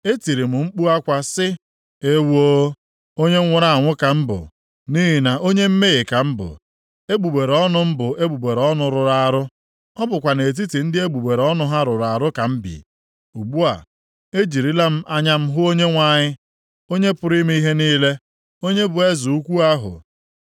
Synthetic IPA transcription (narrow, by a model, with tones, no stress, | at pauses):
e˦ti˨ɾi˨mʊ˨ŋ͡m̩˦k͡pu˦a˦kʷa˨sɪ˦ | e˦wo˦ | o˦ɲe˦ŋʷʊ˦ɾa˨a˨ŋʷʊ˦ka˨m̩˦bʊ̰˨ | ni˦ɦi˨na˨o˦ɲe˦m̩˦me˦ɣi˨ka˨m̩˦bʊ̰˨ | e˦ɡ͡bu˨ɡ͡be˨ɾɔ˦nʊ˦m̩˦bʊ˨e˦bu˨ɡ͡be˨ɾɔ˦nʊ˨ɾʊ˨ɾa˨ɾʊ˦ | ɔ˦bʊ˨kʷa˨ne˨t̬i˦ti˨n̩˦dɪ˦e˦ɡ͡bu˨ɡ͡be˨ɾɔ˦nʊ˦ɦa˦ɾʊ˨ɾa˨ɾʊ˦ka˨m̩˦bḭ˨ | u˨ɡ͡bu˦a̰˨ | e˦d͡ʒi˨ɾi˦la˦m̩˦ʔa˦ɲa˦m̩˦ɦʊ˦o˦ɲe˦ŋʷa˦˨ɲɪ˦ | o˦ɲe˦pʊ˨ɾi˦m˦i˦ɦe˦niː˦le˦ | o˦ɲe˦bʊ˨e˦zu˨u˦kʷu˦a˦ɦʊ̰˨